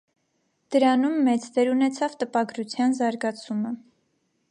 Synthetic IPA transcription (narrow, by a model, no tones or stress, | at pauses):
d̪̥əɾɑnumːɛt͡sd̪ɛɾunɛt͡sʰɑvt̪əpɑɡɾut͡sʰjɑnzɑɾɡɑt͡sʰumə